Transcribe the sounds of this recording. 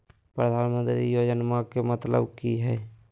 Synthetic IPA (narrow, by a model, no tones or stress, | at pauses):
pɾəd̪ʱaːnmə̃nt̪ɾiijoːd͡ʒənmãkemət̪lə̰bkiɦɛː